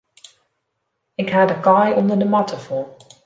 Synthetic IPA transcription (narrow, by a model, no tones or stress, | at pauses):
ɪkɦaːdəkɑjʔɔndəɹdəmɑtəfɔlˠ